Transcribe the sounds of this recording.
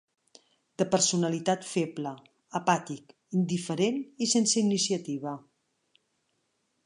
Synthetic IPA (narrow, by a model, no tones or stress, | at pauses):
d̪̥əpəɾsunəlit̪at̪feplə | əpat̪ik | ind̪ifəɾenisensəinisiət̪iβ̞ə